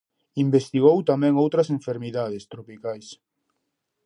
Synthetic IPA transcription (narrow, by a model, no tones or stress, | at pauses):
imbest̪iɣowt̪amɛ̃ŋowt̪ɾɐsẽɱfeɾmiðaðest̪ɾopikajs